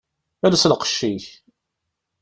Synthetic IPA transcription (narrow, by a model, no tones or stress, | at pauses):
ælæslqə̥ʃːiç